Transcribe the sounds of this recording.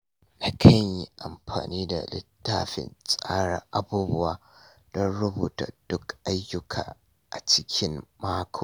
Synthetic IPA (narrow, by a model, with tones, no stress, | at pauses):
na˦kʰɐ˦ɲji˦ʔa˨mɸa̰ː˨niː˦da̰˨lɪ̰˦tːaː˦ɸɪ̰˨nsʼaː˦ɽa˨ʔa˦buː˦bʊ˦waː˨ | d̥ɔ˦nɽʊ˦buː˨ta̰˨d̥ʊ˦kʔa˦jːʊ˦kʰa̰ː˨ | ʔa˨t͡ʃɪ˦kʲʰɪ˦mmaː˦kʷʰoː˨